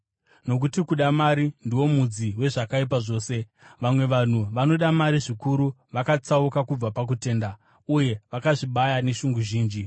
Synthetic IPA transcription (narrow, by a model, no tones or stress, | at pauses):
no̞k̬utikuɗamaɾindiwo̞mud͡ziwe̞ʐakaip̬aʐo̞ːse̞ | ʋamwe̞ʋan̤uʋano̞ɗamaɾiʐikuɾuʋakat͡saukakub͡vapak̬ute̞ːnda | uje̞ʋakaʐiɓajane̞ʃuŋɡuʒiːnd͡ʒi